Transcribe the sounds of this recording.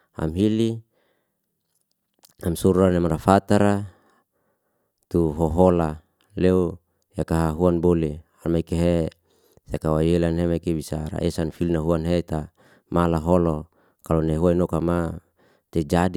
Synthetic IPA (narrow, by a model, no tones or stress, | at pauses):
a̰mɦili | amsuɾanemaɾafat̪aɾa | t̪uɦɔɦola | leu | jakaɦaɦuanbolealmaikeɦe | sekawajelanɦemaikebisaɾa̰ʔesanfilinaɦuanɦet̪a | malaɦɔlo | kaloneɦuainokama | t̪ed͡ʒadi